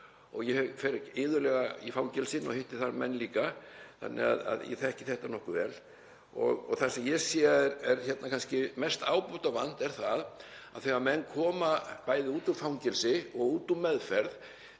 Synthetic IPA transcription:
ɔɣjɛhɛfɛɾɪcɪːðʏɾlɛɣaifawŋcɛlsɪnɔ̰hejht̪ɪθaɾmɛnːliːkaθa̰nːʔɪ̰ɣa̰ða̰ðjɛ̰θɛhcɪθɛht̪anɔhkʏvɛ̰ːl | ɔ̰ɣɔθasɛmjɛsjiːaɛɾɛɾçɛt̪nakʰanscɪmɛst̪aːwpuht̪avan̥t̪ɛɾ̥θað | aðθɛɣamɛnːkʰɔːmapaːjðɪuːt̪ufawŋcɪlsɪɔɣuːt̪umːɛðfɛɾð

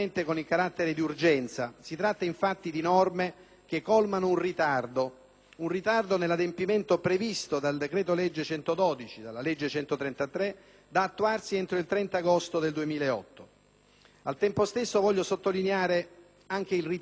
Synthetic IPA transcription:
ent̪ekonilkaɾat̪ːeɾed̪iurd͡ʒɛnt̪sasit̪ɾat̪ːaiɱfat̪ːid̪inɔrme | k̟ekːɔlmanounrit̪ard̪o | unrit̪ard̪onelːad̪empiment̪opɾevist̪od̪ald̪ekɾɛːt̪oled͡ʒːet͡ʃɛnt̪od̪ɔːd̪it͡ʃid̪alːaled͡ʒːet͡ʃɛnt̪ot̪ɾɛnt̪at̪ɾe | d̪aːt̪ːuarsient̪ɾoilt̪ɾɛnt̪aɡost̪od̪eld̪uemiːlaeɔ̰t̪ːo | alt̪ɛmpost̪esːovɔʎːosot̪ːolineaːɾe | aŋk̟eilri

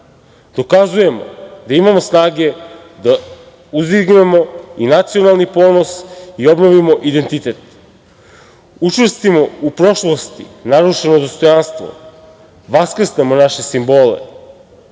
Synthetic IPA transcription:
d̪̥o̞kazuje̞mo̞̰d̪aimamo̞snaːɡe̞ | d̪a | uziɡne̞mo̞inat̪sio̞nalˠnipo̞ːno̞sio̞bno̞ʋimo̞ʔid̪e̞nt̪it̪e̞t̪ | ut͡ʃrst̪imo̞upɾo̞ʃlˠost̪inaɾuʃe̞no̞d̪o̞st̪o̞janst̪ʋo̰ | ʋaskr̩snemo̞naʃe̞simbo̞ːlḛ

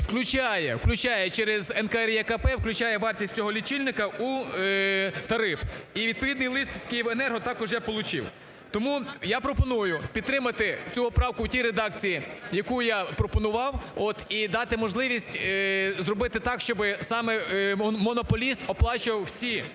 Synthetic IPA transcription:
wklʲʊt͡ʃajɛwklʲʊt͡ʃɑjɛt͡ʃɛɾezɛnkɐɛɾjɛkɐpɛwklʲʉt͡ʃɑjɛʋɑrtʲisʲt͡sʲɔɦɔlʲit͡ʃilʲnɪkɐu | t̪ɐɾɪfiʋʲid̪̚pɔʋʲid̪nɪjlˠɪst̪sʲkʲejiwɛnɛrɦɔt̪ɑkɔʒjapɔlˠʊt͡ʃɪ̰w | t̪ɔmujapɾɔpɔnujʊpʲid̪t̪ɾɪmɐt̪ɪt͡sʲuɔpɾɑwkʊwtʲiɾed̪ɑk̚t͡sʲijijɐkujapɾɔpɔnʊʋɑwot̪id̪ɑt̪ɪmɔʒlˠɪʋʲisʲtʲzrɔbɪt̪ɪt̪ɑkʃt͡ʃɔbɪsɑmɛmɔnɔpɔlʲist̪ɔplˠɑt͡ʃɪʋɐwsʲi

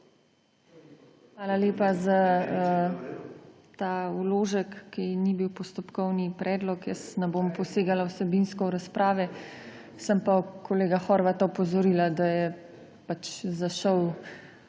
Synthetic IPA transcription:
xʋaːlaleːpazaə | t̪aːuloːʒəkːinibiwpɔst̪ɔpkɔwnipɾʔɛːd̪lɔkjəsnɛbompɔseːɡalawsɛbinskɔɾaspɾaːʋɛ | səmpakʰoleːɡaxɔɾʋat̪aɔpɔzɔɾiːlad̪ajɛ | pat͡ʃzaʃəw

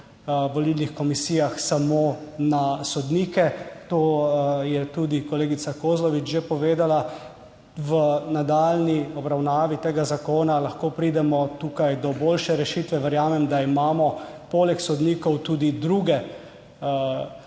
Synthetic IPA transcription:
ʋɔlilnixkɔmisiːjaxsamonasɔd̪niːkɛt̪oːjɛt̪ud̪ikɔleːɡit̪sakoːzlɔʋit͡ʃʒepɔʋeːd̪ala | ʋənad̪alniɔbɾawnaːʋit̪eːɡazakoːnalaxkoːpɾiːd̪ɛmɔt̪ukajd̪ɔbolʃɛɾɛʃiːt̪ʋɛʋɛɾjaːmɛmd̪aimaːmɔ | poːlɛksɔd̪niːkɔwt̪uːd̪id̪ɾuːɡɛ

